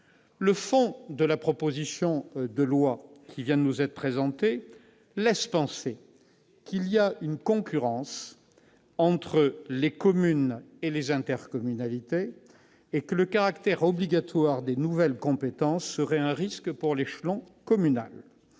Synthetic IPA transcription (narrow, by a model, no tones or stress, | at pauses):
ləfɔ̃d̪əlapχɔpozisjɔ̃d̪əlwakʲʰivjɛ̃d̪ənuzɛt̪χəpχezɑ̃t̪e | lɛspɑ̃se | kʰilijaynkɔ̃kʲyʁɑ̃s | ɑ̃t̪χəlekɔmynelezɛ̃t̪ɛʁkɔmynalit̪eː | kələkaʁakt̪ɛʁɔbliɡat̪waʁd̪enuvɛlkɔ̃pet̪ɑ̃sːəʁɛɛ̃ʁiskpuʁleʃlɔ̃ | kɔmyna̰l